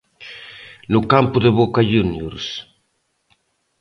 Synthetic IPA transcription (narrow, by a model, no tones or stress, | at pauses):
nʊkampʊðeβokaʎunjuɾs